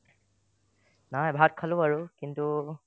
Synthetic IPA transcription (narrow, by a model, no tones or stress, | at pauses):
najbʱat̚kʰalõaɹukintu